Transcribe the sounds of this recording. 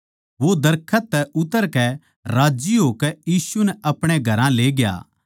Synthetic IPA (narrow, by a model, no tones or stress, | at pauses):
ʋod̪ɐɾkʰət̪ːɛʔʊt̪əɾkɛ | ɾaːd͡ʒiɦoːkɛjiːsunɛʔɐpɽ̃eɡʱɐɾãleːɡja̰ː